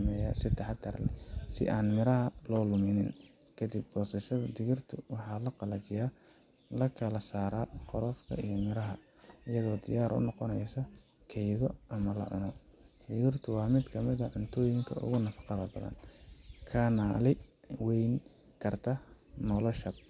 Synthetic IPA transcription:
mɛːja̰ːsɪt̪ʰɐħɑt̪ʰɐrlɛ̰sɪ̰ʔaːnmɪɾɐɦɐlɔːlʊmɪnɪn | kʰɐd̪ib̚bɔːsɐʃɐðɐd̪ɪɣɪrt̪ʰʊwɑħɑːlɐqɑlɐt͡ʃɪjaː | lɐkʰɐlɐsaːɾaːqɔɾɔfkʰɐ̰ijɔmɪɾɐɦɐ | ɪjɐðɔːd̪ɪjaːɾʔʊ̰nɔqɔnɛjsɐ | kʰɛjðɔʔɐmɐlɐ̰ʕʊ̰nɔ | d̪ɪɣɪrt̪ʰʊwɑːmɪd̪kʰɐmɪðɐʕʊnt̪ʰɔːjɪŋkʰɐ̰ʔʊ̰ɣʊnɐfɑ̥qɑðɐbɐðɐ̰nkʰɐnaːlɪwɛjn | kʰɐrt̪ʰɐ | nɔlɔʃɐb̚

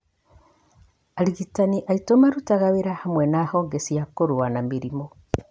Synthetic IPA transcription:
aɾiɣitaniʔaitomaɾutaɣaβeɾahamwɛnahɔːŋɡesiakoɾwanamiɾimɔ

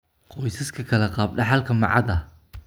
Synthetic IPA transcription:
qɔjsɐskʰɐkʰɐlɐqɑːb̚ɖɑħalkʰɐmɑ̰ʕɑ̰ðɐ

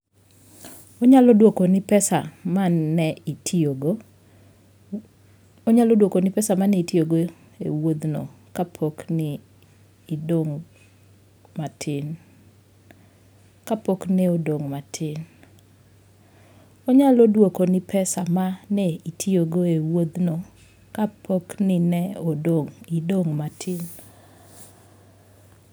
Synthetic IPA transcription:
oɲalɔdwokonɪpɛsamanːɛitʰioɡo | oɲalɔodwokonɪpɛsamanɛitjoɡo | ḛwod̪no̰kapʰoknɪː | doŋ | matʰɪn | kapoknɛodoŋmatʰɪn | ɔɲalodwokonɪpʰɛsamanɛitʰioɡoewod̪no | kapʰoknɪnɛodoŋidoŋmatʰɪn

